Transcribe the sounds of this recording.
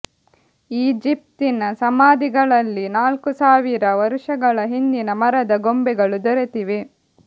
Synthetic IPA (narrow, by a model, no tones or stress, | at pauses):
iːd͡ʒip̚t̪inɐsɐmaːd̪iɡɐɭɐlːinaːlkusaːʋiɾɐʋɐɾuʂɐɡɐɭɐɦind̪inɐmɐɾɐd̪ɐɡombɛɡɐɭud̪ɔɾet̪iʋe